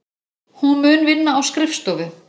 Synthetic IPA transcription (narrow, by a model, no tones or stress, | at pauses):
hunmʏːnvɪnːaːwskɾɪfst̪ɔːvʏ